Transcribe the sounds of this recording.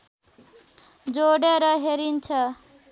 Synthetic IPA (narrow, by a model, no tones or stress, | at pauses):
d͡ʒoɽeɾəɦeɾint͡ʃʰə